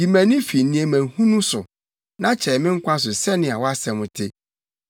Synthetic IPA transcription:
ji˨mæ̃˨nɪ̃˦fi˨n˨nĩ˨˦e˨mæ̃˨hũ˦nũ˦sʊ˨ | nã˦t͡ɕʰɛ˨mɪ̃˦ŋ̩˦kʷa˦s̬ʊ˨sɛ˦nɪ̃˨a˨wɔ˦a˦sɛ˨mʊ̃˨tʰe˦

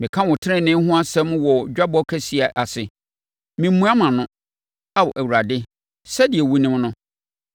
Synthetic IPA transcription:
mɪ̃˨kʰã˦wʊ̃˨tʰɪ˦ɾɪ̃˦nɪ̃˦ɦʊ̃˦a˦sɛ̃˦m˦wɔ˨d͡ʑᶣa˦bɔ˦kʰæ˦si˨˦a˨ʔa˨sɪ˨ | mĩ˨˦mːũ˦a˦mã˨nʊ̃˦ | a˦wɔ˨ʔæ˨wu˨ɾa˨dɪ˦ | sɛ˦di˨ɛ˨wu˦nɪ̃˦mnʊ̃˦

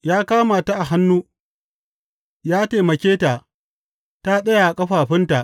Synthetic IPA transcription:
jaː˦kaː˦ma˨ta˦ʔa˨ɦa˦nːuː˦ | jaː˦teː˨mɐ˨kʲeː˦ta˨ | ta˦ɗɐ˦ja˨kʼɐ˦ɸaː˨ɸɪ˦nta˨ʔ

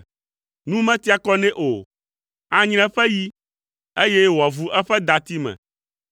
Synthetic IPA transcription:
nũ˦mɛ̃˦t̪i˦a˨kɔ˦nɛ̃˦ʔo˨ | a˦ɲ̃ɾ̃ɛ̃˦ɸɛ˦ji˦ | e˦jɛ˦wɔ˨vu˨˦ʔɛ˦ɸɛ˦d̪a˨t̪i˦mɛ̰̃˨

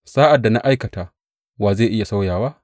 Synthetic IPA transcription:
saː˦ʔa˨dːa˨na̰˦ʔa˦jkɐ˨taː˨ | waː˨zeː˦˨ʔɪ˦ja˨sa˦wjaː˨waː˦

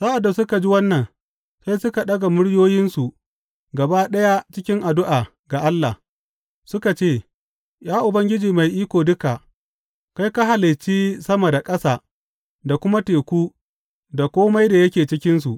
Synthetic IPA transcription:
sa˦ʔa˨dːa˨sʊ˦ka˨d͡ʒi˦wɐ˦nːɐ˨n | sa˦jsʊ˦ka˨ɗɐ˦ɡa˨mʊ˦ɽjoː˦jɪ˦nsu˨ʔ | ɡɐ˨ba˦ɗɐ˦ja˦t͡ʃɪ˦kʲɪ˦ŋʔa˨dʊ˦ʔaː˨ | ɡa˨ʔa˦lːa˨h | sʊ˦ka˨t͡ʃeː˦˨ | jaː˦ʔʊ˨bɐ˦ŋɡʲɪ˦d͡ʒiː˨ma˨jʔiː˦kʷoː˨dʊ˦ka˨ | ka˦jka˦ɦa˨lɪ˨t͡ʃːiː˦sɐ˦mɐ˨da˨kʼɐ˦saː˨ | da˨kʷʊ˦ma˦teː˨kʷuː˦ | da˨kʷoː˦ma˦jda˨jɐ˦kʲeː˨t͡ʃɪ˦kʲɪ˦ns̬u˨ʔ

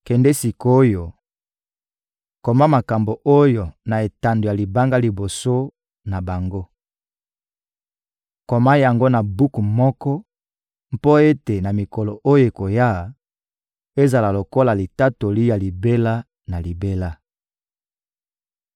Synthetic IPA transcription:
kɛ˨ndɛ˦si˨ko˦jo˨ | ko˨ma˦ma˨ka˨mbo˨ʔo˦jo˨na˨e˨ta˨ndo˨ja˨li˨ba˦ŋɡa˦li˨bo˨so˦ | na˨ba˨ŋɡo˦ | ko˨ma˦ja˨ŋɡo˦na˨bu˦ku˨mɔ˦kɔ˦ | mpo˦e˦te˨na˨mi˨ko˨lo˨ʔo˦je˨ko˨ja˦˨ | e˦za˨la˨lo˨ko˦la˨li˨ta˦to˨li˦ja˨li˨be˦la˦ | na˨li˨be˦la˦

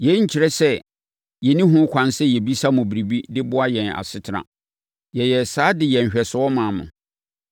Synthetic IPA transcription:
jɛ˨˦ɲ̩˦t͡ɕʰɪ˨ɾɛ˦sɛ˦ | jɛ˨nĩ˦ɦʊ̃˦kʰʷã˨˦nsɛ˦jɛ˨bi˦sa˦mʊ̃˨bi˨ɾi˨bi˦dɪ˦bʊ˦a˦jɛ̃˨na̰˨sɪ˦tʰɪ˦ɾã̰˨ | jɛ˨jɛ˨saː˦dɪ˨jɛ̃˨ɲ̩˨ɕᶣɛ˨sʊ˨ɔ˦mã˨mʊ̰̃˨

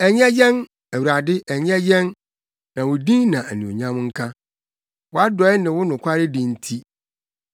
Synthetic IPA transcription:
ɛ˨ɲɛ̃˦jɛ̃˦n | æ˨wu˨ɾa˨dɪ˦ʔɛ˨ɲ˦ɛ̃˦jɛ̃˦n | nã˨wʊ˨dĩ˦nã˨æ˨nĩ˨o̰˨ɲã˦m˦ŋ̩˦kʰã˦ | wʊ˨˦a˦dɔ˨˦nɪ̃˨wʊ˦nʊ̃˨kʷʰa˦ɾɪ˦dɪ̃˨n̩˦tʰi˦

